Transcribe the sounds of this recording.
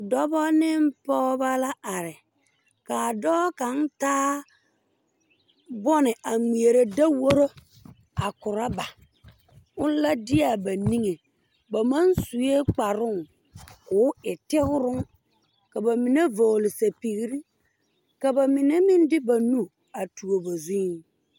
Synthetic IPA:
dɔ˦bɔ˦nɪ˦m˦pɔ˦ba˦la˦a˨ɾɪ˨ | ka˨dɔː˦ka˨˦n˦taː˦ | bɔ˦nɪ˨ʔa˨ŋ͡mi˨e˨ɾe˨da˦wo˦ɾo˦ | a˨kʊ˨ɾa˦ba˨ | ʊ˦n˦la˦dɪ˦a˨ba˨ni˦ŋe˨ | ba˨ma˦nsu˨je˦k͡pa˨ɾʊ˦ŋ | kʊː˨˦ɪ˨tɪ˦ɣʊ˦ɾʊ˦ŋ | ka˨ba˨mɪ˨ne˦vo˨lɪ˨sa˨pi˨ɣi˦ɾi˦ | ka˨ba˨mɪ˨ne˦mɪ˦n˦dɪ˦ba˨nu˦ | a˨tu˨o˨ba˨zu˦

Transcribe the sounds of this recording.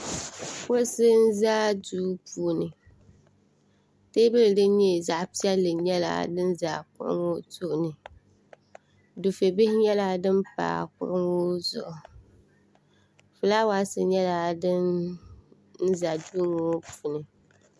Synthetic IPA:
fo˦sɨ˦n̩˦zaː˦duː˦puː˨nɨ˨ | te˦bɨ˦lɨ˨dɨ˦n˦ɲɛ˦˨za˨ʔpi˦ɛ˦lːɨ˨ɲɛ˦la̰˦˨dɨ˦n˦za̰˨kʊ̰˦ɾʊ̰˦ŋo˦tʊ˦ʔʊ˨nɨ˨ | du˨fe˨bɪ˦hɪ˦ɲɛ˦la˦dɨ˦mpa̰ː˨kʊ̰˦ɾɨ˦ŋo˦zʊ̰˨ʔʊ˨ | fu˨la˦wa˦sɨ˨ɲɛ˦la˦dɨ˦n | n̩˦za˨duː˦ŋo˦pu˨nɨ˨

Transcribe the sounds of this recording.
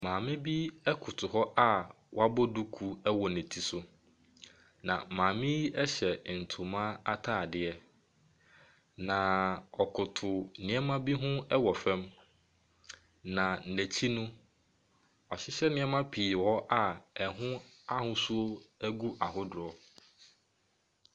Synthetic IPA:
mãː˨mɪ̃˦bi˦ɛ˦kʰʊ˨tʰʊ˨ɦɔ˦ʔa˦ | wɔ˦a˦bɔ˦du˦kʰu˦ɛ˦wɔ˨nɛ̃˨tʰi˨sʊ˦ | nã̰˨mãː˨mɪ̃˦ji˦ɛ˦ɕɛ˨n̩˨tʰʊ˨mã˦a˦tʰaː˦˨dɪ˨ɛ˦ | nã˨ɔ˨kʰʊ˨tʰʊ˨nɪ̃˨˦ɛ˦mã˦bi˦ɦʊ̃˦ɛ˦wɔ˨fɛ̃˦m | nã˨n̩˨næ˨t͡ɕʰi˦nʊ̃˦ | ɔ˨ɕɪ˦ɕɛ˦nɪ̃˦ɛ˦mã˦pʰi˨wɔ˦ʔa˨ɛ˨ɦʊ̃˦ | a˦hʊ̃˦su˦o˦æ˦ɡu˦ʔa˨ɦʊ˦dʊ˨ɔ˦

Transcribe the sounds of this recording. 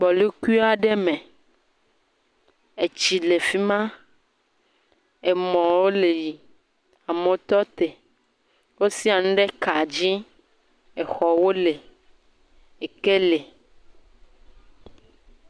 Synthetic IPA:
bɔ˨lu˦ku˦i˦a˨ɖɛ˦mɛ̃˨ | e˨t͡ɕi˨le˨fi˦mã˦ | e˨mɔ̃˨wo˦le˨ji˨ | a˨mẽ˨˦t̪ɔ˦t̪e˨ | wo˦si˦a˨nũ˦ɖe˦ka˨d͡ʑi˦ | e˨xɔ˨wo˦le˨ | e˨ke˦le˨

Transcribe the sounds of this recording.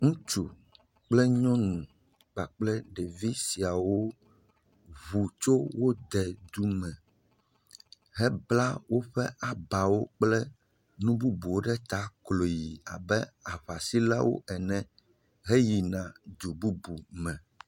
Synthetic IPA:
ŋũ˦t͡ʃu˨ | k͡plɛ˦ɲɔ̃˦nũ˨ | ɡ͡ba˨k͡plɛ˦ɖe˨vi˦si˨a˨wo˦ | βu˨t͡ʃo˦wo˦d̪ɛ˨d̪u˦mɛ̃˨ | ɦɛ˦bla˦wo˦ɸɛ˦ʔa˨ba˨wo˦k͡plɛ˦ | nũ˦bu˦bu˨wo˦ɖɛ˦t̪a˦klo˨ji˨a̰˨bɛ˦a˨βa˨si˦la˦wo̰˦ʔɛ˨nɛ̃˨ | ɦe˦ji˨nã˨d̪u˨bu˦bu˨mɛ̃˨

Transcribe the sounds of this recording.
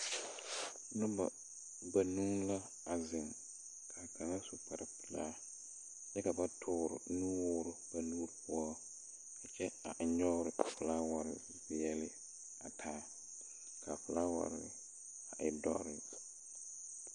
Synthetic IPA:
nʊ˦ba̰˨ | ba˨nu˦ŋla˦ | a˨zɪ˨ŋ | kʰa˨kʰa˨ŋa˦su˨k͡pɛ˨ɾɪ˨pu˨laː˦˨ | t͡ʃɛ˦ka˨ba˦tʰʊː˦ɾʊ̰˨nuː˦wʊː˦ɾʊ˦b̥a˨nuː˦ɾpʰʊ˦ɔ˦ | a˨t͡ʃɛ˦a˨ʔɲɔ˦ɾɪ˨fʊ˨la˦wa˨ɾɪ̰˨ | bɪ˨jɛ˦lɪ˦ | a˨tʰaː˦ | kʰa˨fʊ˨la˦wa̰˨ɾɪ˦ɪ̰˦ | a˨ʔɪ˨dɔ̰˦ɾɪ˨

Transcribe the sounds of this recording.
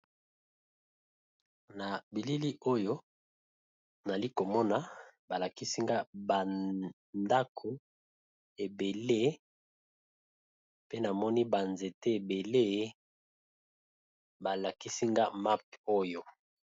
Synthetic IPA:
na˨bi˨li˦li˦ʔo˦jo˦ | na˨li˦ko˨mɔ˦na˨ba˨la˨ki˦si˦ŋɡa˦ba˨ | nda˦kʰo˨ | e˨be˨le˦ | pe˦na˨mɔ˦ni˦ba˨nze˨te˦e˨be˨le˦ | ba˨la˨ki˦si˦ŋɡa˦ma˦p̚o˦jo˦

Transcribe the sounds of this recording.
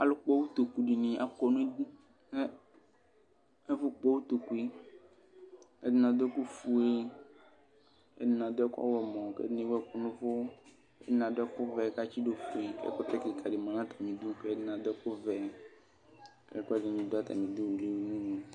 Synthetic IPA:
a˨lo˨˦k͡pɔ˦wu˦t̪o˨ku˨ɖi˨nĩ˨a˨kɔ˨nũ˦d̪i˦ | ne˦ | e˦vʊ˦k͡pɔ˦wu˦t̪o˨ku˦i˦ | e˦dɪ˦nã˨d̪ku˦fu˦e˦ | ḛ˦dɪ˦nã˨d̪o˦ɛ˦kɔ̰˦wɛ˨mɔ̃˨kḛ˦dnĩ˦wɛ˦kɔ˨nũ˦vo˦ | ḛ˦dɪ˦nã˨d̪ʊ˦ɛ˦kʊ˦vɛ˨ka˦t͡ʃi˦ɖo˨fu˨i˨kɛ̰˦kɔ˦t̪ɛ˦ki˨kʰa˨ɖe˨mã˨nã˦t̪ʰa˨mĩ˨d̪u˦ke˦e˦dɪ˦nã˨d̪ʊ˦ɛ˦kʊ˦vɛ˨ | kɛ˦ku˦a˦dnã˨mĩ˨d̪o˦a˦t̪a̰˨mĩ˨d̪u˦wu˨le˦wi˨nũ˦nẽ˨

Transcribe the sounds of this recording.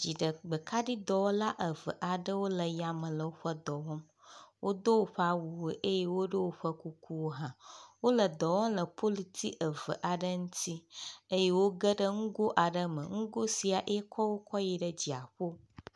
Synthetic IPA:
d͡ʑi˨ɖə˨ɡ͡bə˨kʰa˦ɖi˦d̪ɔ˨wɔ˦la˦ʔə˨və̰˨ʔa˨ɖə˦wo˦lə˨ja˦mə̃˨lə˨wo˦ɸə˦d̪ɔ˨wɔ˦m | wʔo˦d̪o˦wo˦ɸə˦a˦wu˨we˦ʔe˦je˦wo˦ɖə˦wo˦ɸə˦ku˦kʰu˦wo˦ɦã˨wo˦lə˨d̪ɔ˨wɔ˦mlə˨pʰo˦li˨t̪ʰi˦ʔə˨və̰˨ʔa˨ɖə˦ŋũ˦t̪ʰi˦ə˦je˦wo˦ɡə˦ɖə˦ŋ̩˦ɡo˦ʔa˨ɖə˦mə̰̃˨ŋ̩˦ɡo˦si˨a˨ʔe˦kʰɔ˦wo˦kʰɔ˦ji˨ɖə˦d͡ʑi˨a˨ɸo˦

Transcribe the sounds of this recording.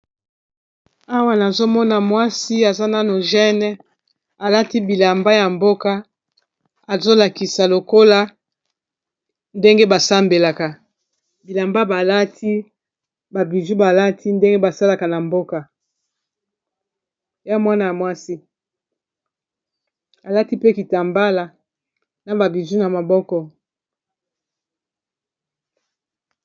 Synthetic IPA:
a˦wa˦na˨zo˦mɔ˦na˨mwa˦si˦a˨za˦na˦no˨ʒɛ˦nɛ˦ | a˨la˦ti˦bi˨la˨mba˦ja˨mbo˦ka˦ | a˨zo˦la˨ki˨sa˨lo˨ko˦la˦ | nde˦ŋɡe˦ba˨sa˦mbe˨la˨ka˨ | bi˨la˨mba˦ba˨la˦tʰi˦ | ba˨bi˨zu˦ba˨la˦tʰi˦nde˦ŋɡe˦ba˨sa˦la˨ka˨na˨mbo˦ka˨ | ja˦mwa˦na˨ja˨mwa˦si˦ | a˨la˦ti˦pe˦ki˨ta˨mba˦la˨ | na˨ba˨bi˨zu˦na˨ma˨bɔ˦kɔ˨

